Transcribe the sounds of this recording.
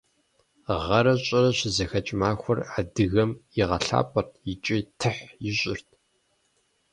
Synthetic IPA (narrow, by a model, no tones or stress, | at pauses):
ʁɐɾɐɕʼɪrɐɕɪzɐxɐt͡ʃʼmaːxʷɔradɨɣɐmjɪʁɐɬa̰ːpʼɐrt̚ʰjɪt͡ʃʼitʰɨħjɪɕʼɪrtʰ